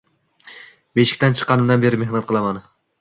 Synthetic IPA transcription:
beʃɪ̥kʲt̪ant͡ʃʰɨ̥qːɑnɪmd̪anbe̞ɾɪme̞hnat̪̚qʰɨlˠaman

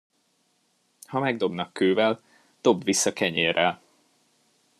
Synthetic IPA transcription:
hɒmɛɡ̚d̪o̞bnɒkːøːvɛl | d̪̥o̞bvisːɒkɛɲeːrɛl

